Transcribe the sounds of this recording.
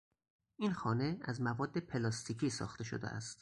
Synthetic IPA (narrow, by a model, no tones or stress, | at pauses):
ʔinxɒːne̞æzmævɒːd̪ːe̞pʰe̞lɒːst̪ʰiːcʰiːsɒ̰ːxt̪ʰe̞ʃo̰d̪ḛʔæ̰st̪